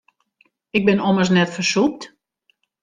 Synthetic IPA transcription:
ɪɡ̚bɪnɔməsnɛtfərsup̚t

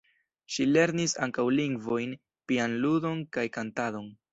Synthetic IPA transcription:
ʃile̞ɾnisa̰ŋkawliŋɡvo̞jn | pianludo̞nkajkantado̞n

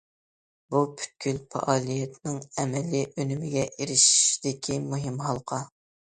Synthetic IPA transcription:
bupʰy̥t̪̚kʲʰylfʰɑ̰ʔɑːlˠijɛt̪nɨŋɛmɛlːiʔønymɪɡʲɛʔiɾɪʃi̥ʃd̪ɪkʲʰimuɦɪmɦɑlˠqʰɑ

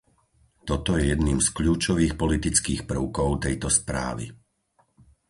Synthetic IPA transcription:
t̪ɔt̪ɔjɛjɛd̪niːmskʎuːt͡ʃɔʋiːxpɔlit̪it͡skiːxpr̩ʊkɔʊt̪ɛjt̪ɔspɾa̰ːʋḭ

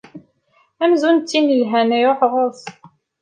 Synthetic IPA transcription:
æmzunt̪ːinəlɦænioħʁoθ

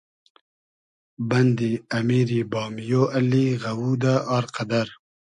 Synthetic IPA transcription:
bɐnd̪iːɐmiːɾiːbɑːmjoːʔɐliːɣɐwuːd̪aʔɑːɾqɐd̪ɐɾ

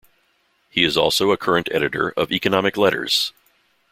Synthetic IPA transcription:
hiɨzɔlˠsoʊəkʰɜ˞ɨ̃ntʰɛ̰ɾɨɾə̰˞ʔʌvikɨnɑmɨklɛɾə̰˞z̥

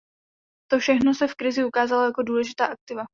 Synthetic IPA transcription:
t̪ofʃɛxno̞sɛfkɾɪzɪukaːzalojako̞duːlɛʒɪt̪aːʔak̚t̪ɪva

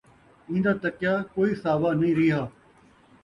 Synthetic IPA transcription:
ĩːnd̪aːt̪əkjaːkoːiːsaːʋaːnĩːɾɪːɦaː

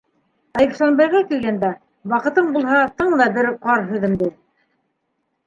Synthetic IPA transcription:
ɑjĭk̪ʃɑnbɑjʁɑkilɡænd̪æ | wɑqɤ̆t̪ɤɴbulˠhɑt̪ɤɴðɑbɘɾqɑɾɦʉ̆ðɘmd̪ɘ

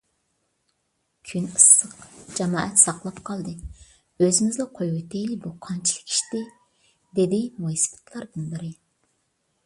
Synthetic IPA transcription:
kʲʰynɨsːəqd͡ʒɑmɑ̰ːʔɛt̪sɑqlˠɑpqʰɑlˠd̪ɨ | øzɪmɪzd̪ɑqʰojet̪ʰejlɪbuqʰɑnt͡ʃʰilˠɨ̥kʲʰi̥ʃt̪ɪ | d̪ed̪ɪmoisɨ̥pʰɨ̥t̪ʰlˠɑɾd̪ɨnbɪɾɪ

